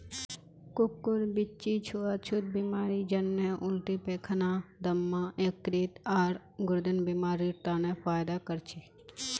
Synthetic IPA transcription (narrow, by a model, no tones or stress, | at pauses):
kʊkːʊɾbɪt͡ʃit͡ʃʰuət͡ʃʰut̪̚bimaːɾid͡ʒɐnmjəʔʊlʈ̪ipeːkʰənad̪ɐmːãːʔekːɾiːt̪aːɾ | ɡʊɾd̪ɪnbimaːɾiɾt̪aːnẽfaːjd̪akəɾt͡ʃʰi